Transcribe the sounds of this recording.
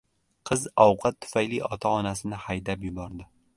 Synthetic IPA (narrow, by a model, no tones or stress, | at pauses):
qʰɨzɒwqʰɑt̪ʰːʊ̥fajliɒt̪ʰaɒnasɪnɪhajd̪apjʊbɒɾd̪ɪ